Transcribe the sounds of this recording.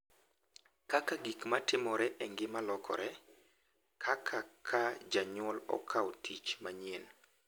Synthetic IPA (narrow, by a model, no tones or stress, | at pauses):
kakaɡikmatɪmɔɾɛʔɛŋɡɪmalɔkʰɔ̰ɾɛ | kʰakʰakʰad͡ʒaɲɔlɔ̰kʰaɔtʰit͡ʃmaɲen